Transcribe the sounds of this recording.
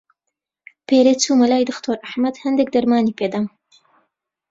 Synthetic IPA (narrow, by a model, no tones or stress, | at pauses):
peɾet͡sumalɑːjd̪əxt̪ʰoɾaħmad̪hand̪ek̚d̪aɾmɑːniped̪am